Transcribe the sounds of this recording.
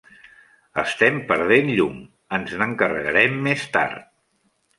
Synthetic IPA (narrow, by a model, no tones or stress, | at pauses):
əst̪ɛmpəɾðenʎuŋ | ənznəŋkərəɣəɾɛmːest̪a̰ɾt̪̚